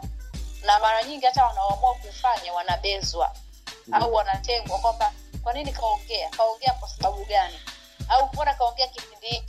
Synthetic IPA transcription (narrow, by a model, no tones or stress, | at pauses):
namaɾaɲiŋɡihataanawamuakufaɲawanaɓɛzwa̰ | auwanatɛŋɡwakwamba | kwaninikaɔŋɡɛakaɔŋɡɛakwasaɓaɓuɠani | auɔnakaɔŋɡɛakipindii